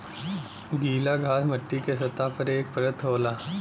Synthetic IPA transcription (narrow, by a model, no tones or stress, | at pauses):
ɡiːlaɡʱaːsmɐʈːikesɐt̪apɐɾeːk̚pəɾət̪ɦoːlaː